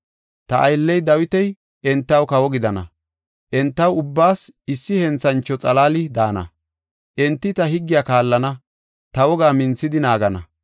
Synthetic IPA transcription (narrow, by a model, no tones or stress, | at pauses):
t̪ɐʔɐjlːɛjd̪ɐwɪt̪ɛj | ʔɛnt̪ːɐwkɐwɔɡɪd̪ɐnɐ̰ | ʔɛnt̪ːɐwʊbːaːsɪsːɪhɛnt͡sːɐnt͡ʃːɔt͡sʼɐlaːlɪd̪aːnɐ̰ | ʔɛnt̪ːɪt̪ɐhɪɡːɪjaːkaːlːɐnɐ | t̪ɐwɔɡaːmɪnt͡sːɪd̪ɪnaːɡɐnɐ̰